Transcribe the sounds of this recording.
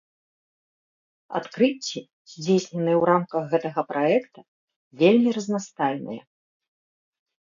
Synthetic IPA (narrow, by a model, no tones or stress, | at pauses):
a̰t̪kɾɨt͡sʲːi | z̥ʲd͡zʲejsʲnʲɛnɨjɛwɾamkɐɣɣɛt̪ɐɣɐpɾʔaɛkt̪ɐ | vʲelʲmʲiɾɐznast̪ajnɨ̰jɛ̰